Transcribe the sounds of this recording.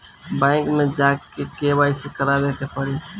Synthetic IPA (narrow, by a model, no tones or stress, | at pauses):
bɛ̃ɪŋkmed͡ʒakkːekebaisekəɾabekepəɽi